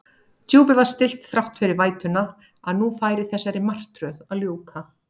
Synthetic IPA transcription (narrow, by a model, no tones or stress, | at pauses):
t̪jowpɪvaɾ̥st̪ɪl̥t̪θɾaht̪fɪɾɪɾvaːjt̪ʏnːa | aðnufaːjɾɪθɛsːajɾɪmar̥t̪ɾœðaðljoːwka